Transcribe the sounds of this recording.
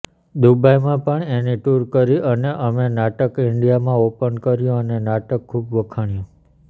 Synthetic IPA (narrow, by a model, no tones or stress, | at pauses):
d̪ubʱajmãpəɳeniʈuɾkəɾiʔəneʔəmenaʈəkɪɳɖijamãopənkəɾjũənenaʈəkʰːubʋəkʰaɳ̃jũ